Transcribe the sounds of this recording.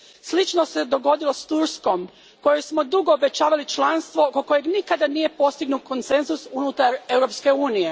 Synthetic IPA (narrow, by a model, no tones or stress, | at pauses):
slit͡ʃnose̞d̪o̞ɡo̞d̪ilo̞st̪uɾsko̞m | ko̞jejsmo̞d̪uɡo̞ːbe̞t͡ʃaːʋalit͡ʃlanst̪ʋo̞koko̞je̞ɡnikad̪anije̞po̞st̪iɡnuko̞nt̪se̞nzusunut̪aɾe̞wɾo̞pske̞uːnije̞